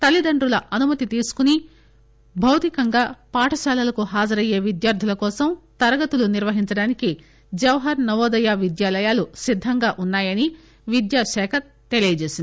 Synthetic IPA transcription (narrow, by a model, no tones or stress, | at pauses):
t̪ɐlːid̪ɐɳɖɾulɐʔɐnumɐt̪it̪iːsu̥kuni | bʱɐwt̪ikɐŋɡaːpaːʈʰɐʃaːlɐlɐkuɦaːd͡ʒɐɾɐje̞ːʋid̪jaːɾd̪ʱilɐkɔːsɐmt̪ɐɾɐɡɐt̪uluniɾʋɐɦiɲt͡ʃɐɽaːniki | d͡ʒɐʋɐɦɐɾnɐʋoːd̪ɐjaːʋid̪jaːlɐjaːlusid̪ʱːɐŋɡaːʔunːaːjɐni | ʋid̪jaːʃɛːkʰɐ | t̪e̞liːjɐd͡ʒe̞ːsind̪